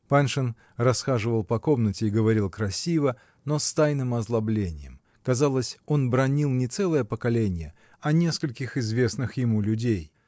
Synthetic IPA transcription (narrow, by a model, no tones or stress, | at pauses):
panʂɨn | rɐsxaʐɨvəlˠpɐko̞mnətʲɪːɡəvɐɾʲilˠkɾɐsʲivə | no̞st̪ajnɨmɐzlˠɐblʲenʲɪjə̰m | kɐzalˠəsʲo̞nbɾɐnʲilˠnʲɪt̪sɛlˠəjəpəkɐlʲenʲɪjə | ɐnʲe̞skəlʲkʲɪxɪzvʲe̞snɨxjɪmulʲʉdʲej